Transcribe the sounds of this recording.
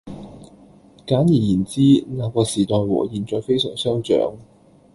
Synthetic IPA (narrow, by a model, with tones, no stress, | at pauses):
kaː˨˥njiː˨˩jiː˨˩nt͡siː˥naː˨˧kɔː˧siː˨˩t̪ɔː˨jwɔ̰ː˨˩jiː˨˩nt͡ʃɔː˧jfe˥jsœ̰ː˨˩ŋsœː˥ŋt͡ʃœ̰ː˨˥ŋ